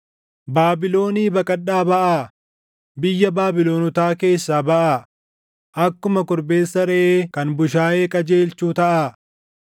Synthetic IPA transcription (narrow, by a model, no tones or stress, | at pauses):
baːbɪlo̞ːniːbɐkʼɐɗːaːbɐʔaː | bɪjːɐbaːbɪlo̞ːnɔt̪aːke̞ːsːaːbɐʔaː | ʔɐkːʊmɐkʊɾbe̞ːsːɐɾɛʔeːkɐnbʊʃaːʔe̞ːkʼɐd͡ʒe̞ːlt͡ʃuːt̪ɐʔaː